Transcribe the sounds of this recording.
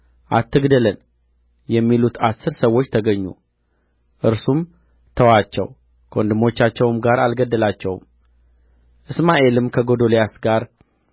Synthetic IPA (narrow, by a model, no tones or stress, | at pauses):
ʔa̰t̪ʰːɨɡd̪ələn | jɛmːilut̪ʰasːɨɾsəwːo̞t͡ʃːt̪ʰəɡəɲːṵ | ʔɨɾsum | t̪ʰəwat͡ʃːɛ̰w | kʰond̪ɨmo̞t͡ʃːat͡ʃːɛwmɡaɾalɡəd̪ːəlat͡ʃːɛw̰m | ʔɨsmaʔe̞lɨmkʰəɡo̞d̪o̞lejasɡaɾ